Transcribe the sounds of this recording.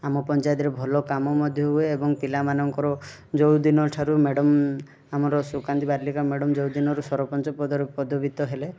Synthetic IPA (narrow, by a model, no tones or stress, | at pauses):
amɔpɔnt͡ʃajd̪ɾebʱɔlɔkamɔmɔd̪ʱjɔɦueːbɔŋpilamanɔŋkɔɾɔ | d͡ʒɔwd̪inɔʈʰaɾumeɽɔm | amɔɾɔsukant̪ibaɾlikameɽɔmd͡ʒɔwd̪inɔɾusɔɾɔpɔnt͡ʃɔpɔpɔd̪ɔbit̪ɔɦele